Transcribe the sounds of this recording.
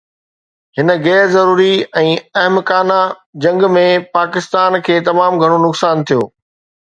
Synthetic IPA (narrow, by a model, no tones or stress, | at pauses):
hɪnə̆ɣɛːɾzɐɾuːɾiɛ̃ːɐɦmkaːna | d͡ʑɐ̃ŋɡmẽpaːkɪst̪aːnkʰeːt̪ɐmaːmɡʱɐɽ̃onʊksaːnt̪ʰijo̰ː